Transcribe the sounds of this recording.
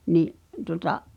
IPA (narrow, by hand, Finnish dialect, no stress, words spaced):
niʔ tuŏtɑ